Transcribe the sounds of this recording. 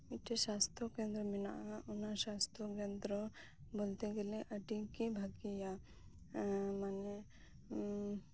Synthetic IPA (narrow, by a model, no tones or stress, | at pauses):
iʈesast̪ɾɔkẽnd̪ɾɔmina̰ʔaunaʃast̪ɾɔkẽnd̪ɾɔ | bolt̪eɡeleʔəʈikibʱaɡija | mane